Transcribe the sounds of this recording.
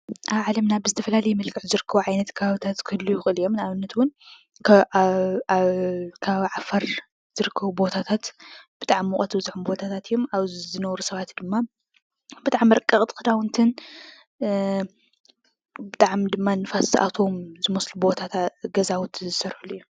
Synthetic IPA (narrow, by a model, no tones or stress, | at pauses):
ʔaβʕalɐmnabɨzɨt̪ʰɐfɐlalɐjmɐlkʰɨʕzɨɾɨkʰːɐβuʕajnɐt̪kʰɐβaβit̪ʰat̪kʰɨlːujɪxʼɨlijomnaβɨnːɐt̪wʊn | kʰ | kʰaββiʕafaɾ | z̥ɨɾɨkʰːɐβubo̞t̪ʰat̪ʰat̪b̥ɨt̪ʼaʕmːuχʼɐt̪bɨzħumbo̞t̪ʰat̪ʰat̪jo̞maβzɨnɐwɾusɐβat̪d̪ɨmːa | b̥ɨt̪ʼaʕmɾɐkʼːɐχʼt̪ʰʼkɨd̪awʊnt̪ʰɨn | bɨt̪ʼaʕmd̪ɨmːanɨfasʔa̰t̪ʰo̞mzɨmɐslubo̞t̪ʰat̪ʰaɡɐzawut̪ʰzɨsɐɾħulːujːu